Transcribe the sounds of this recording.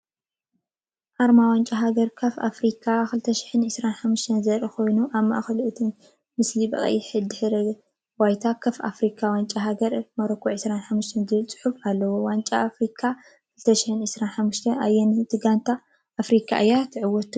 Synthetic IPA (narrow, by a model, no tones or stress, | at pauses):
haɾmawant͡ʃʼaɦaɡɐɾkʰɐfa̰fɾikʰakɨlt̪ʰɐʃɪ̥ħɨnʕɨsɾanħamːuʃt̪ʰɐnzɐɾikʰo̞jnuʔaβmaʔaxɐluʔɨt̪ʰi | mɨslibɐ̰ʔʼɐ̰jiħɨd̪ɨħɨɾɐ | wajt̪ʰakʰɐfa̰fɾikʰawant͡ʃʼaɦaɡɐɾmɐɾɐkʰːoʕɨsɾanħamːuʃt̪ʰɐnzɨlt͡sʼɨ̥ħufalːɐwowant͡ʃʼaːfɾikʰa | kʰɨlt̪ʰɐʃɪ̥ħɨnʕɨsɾanħamːuʃt̪ʰɐnʔajːɛnt̪ʰɨɡant̪ʰa | ʔafɾikʰa̰ʔɨjat̪ʰɨʕɨwɔt̪